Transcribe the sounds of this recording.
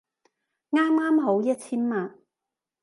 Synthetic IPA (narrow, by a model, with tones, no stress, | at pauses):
ŋaː˥mŋaː˥mɦo˨˥wjɐ˥t̚t͡sʰiː˥nmaː˨n